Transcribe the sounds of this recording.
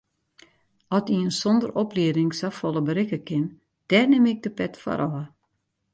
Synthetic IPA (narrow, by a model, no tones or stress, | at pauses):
ɔtiənsɔndərɔpliədɪŋsafɔlˠəbəɾɪkəkɪn | d̥ɛːrnɪmɪɡ̚dəpɛtfa̰ɾʔɔə